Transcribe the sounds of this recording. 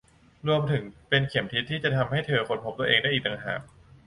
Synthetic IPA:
ɾu˧əmt̪ʰɯ˩˦ŋpe˧nkʰi˩˦mt̪ʰi˦˥t̪ʰːiː˥˩t͡ɕa˨˩t̪ʰa˧mha˥˩jt̪ʰɤː˧kʰo˧npʰo˦˥p̚t̪u˧əʔeː˧ŋda˥˩jʔiː˨˩kt̪a˧ŋɦa̰ː˨˩k̚

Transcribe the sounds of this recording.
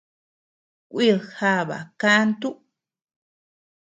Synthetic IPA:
kʷʔi˦˨ha˧βa̰˨ka˦nt̪u˦

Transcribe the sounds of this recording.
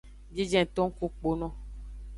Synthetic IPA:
d͡ʒi˦d͡ʒɛ̃˨t̪ɔ̃˦ŋ˦ko˦k͡po˨nɔ̃˦

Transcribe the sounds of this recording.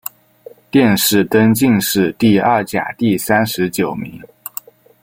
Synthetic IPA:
t̪jɛ˥˧nʂɻ̩˥˩t̪ə˥nt͡ɕi˥˧ŋʂɻ̩˥˧t̪i˥˧ɐ˞˥˩t͡ɕja̰˨˩t̪i˥˩sa˥nʂɻ̩˧˥t͡ɕjo˨˩ʊmḭ˧˥ŋ

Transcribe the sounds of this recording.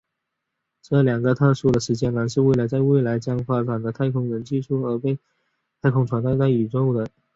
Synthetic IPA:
ʈ͡ʂɤ˥˩ljɑ˨˩ŋɡə˦t̪ʰɤ˥˧ʂu˥˩d̪ə˩ʂɻ̩˧˥t͡ɕjɛ˥nə˧˥nʂ̬ɻ̩˥˧we˥˩ɪlə˧˥ɪt͡sa˥˧ɪwe˥˩ɪla˧˥ɪt͡ɕjɑ˥ŋfa˥ʈ͡ʂa˨˩nd̪ə˦t̪ʰa˥˩ɪkʰʊ˥ŋɻə˧˥nt͡ɕi˥˧ʈ͡ʂʰu˥˩ə˞˧˥pe˥˧ɪ | t̪ʰa˥ɪkʰʊ˥ŋʈ͡ʂʰwa˧˥nt̪a˥˧ɪt̪a˥˩ɪy˨˩ʈ͡ʂo˥˧ʊd̪ə˩

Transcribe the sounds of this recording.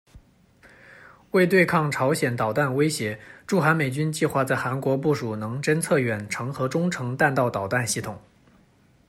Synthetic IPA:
we˥˧ɪt̪we˥˧ɪkʰɑ˥˩ŋʈ͡ʂʰɑ˧˥ʊɕjɛ˨˩nt̪ɑ˨˩ʊt̪a˥˩nwe˥ɪɕjɛ˧˥ʈ͡ʂu˥˩xa˧˥nme˨˩ɪt͡ɕy˥nt͡ɕi˥˧xwa˥˧t͡sa˥˩ɪxa˧˥nkwɔ˧˥p̬u˥˩ʂu˨˩nɤ˧˥ŋʈ͡ʂə˥nt͡sʰɤ˥˩ɥɛ˨˩nʈ͡ʂʰɤ˧˥ŋxɤ˧˥ʈ͡ʂʊ˥ŋʈ͡ʂʰɤ˧˥ŋt̪a˥˧nt̪ɑ˥˩ʊt̪ɑ˨˩ʊt̪a˥˧nɕi˥˩t̪ʰʊ˨˩˦ŋ

